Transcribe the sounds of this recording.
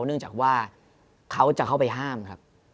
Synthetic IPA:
nɯ˥˩əŋt͡ɕaː˨˩k̚waː˥˩ | kʰa˦˥wt͡ɕa˨˩kʰa˥˩wpa˧jɦaː˥˩mkʰa˦˥p̚

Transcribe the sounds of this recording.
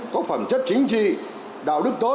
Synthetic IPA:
kɔ˨˦fə˧˩mt͡ɕə˦˥t̚t͡ɕï˨˦ŋ̟t͡ɕḭ˧˨ | ɗa̰ː˧˨wɗɨ˦˥k̚t̪o˨˦

